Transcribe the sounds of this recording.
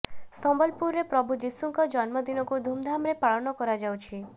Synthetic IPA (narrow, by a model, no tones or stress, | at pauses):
sɔmbɔlpuɾːepɾɔbʱud͡ʒisuŋkɔd͡ʒɔnmɔd̪inɔkud̪ʱumd̪ʱamɾepaɭɔnɔkɔɾad͡ʒawt͡ʃʰi